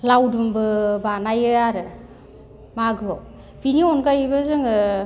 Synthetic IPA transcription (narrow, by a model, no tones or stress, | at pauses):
lawdumbɯbanajɯaɾɯ | maɡɯɔ | b̥iniɔnkajbɯzɯŋɯ